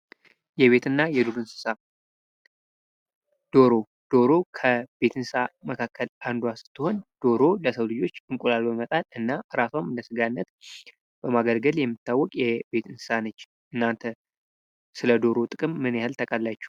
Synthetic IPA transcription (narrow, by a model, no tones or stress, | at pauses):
jɛβe̞t̪ʰɨnːajɛd̪ulɨnsɨ̥sa | d̪̥o̞ɾo̞ | d̪̥o̞ɾo̞kʰəbe̞t̪ʰɨnɨ̥saməkʰakʰːəlʔand̪wasɨ̥t̪ʰːɨho̞nd̪̥o̞ɾo̞ləsəwlɨd͡ʒo̞t͡ʃːɨŋkʼulalbəmət̪ʼat̪ɨnːaʔɨɾasamɨnləsɨɡanːət̪ | b̥əmaɡəlɡəljɛmːɨt̪ʰːawːɔkʼjɛbe̞t̪ɨnsɨ̥sanət͡ʃː | ʔɨnːant̪ʰə | sɨləd̪o̞ɾo̞t̪ʼɨkʼɨmːɨnjahɨlt̪ʰəkʼəlːat͡ʃːɛ̥